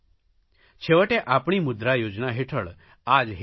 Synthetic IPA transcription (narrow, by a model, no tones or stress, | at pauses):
t͡ɕʰeʋəʈẽʔapɳ̃iːmud̪ɾajod͡znaɦeʈʰəɭ | ad͡zɦ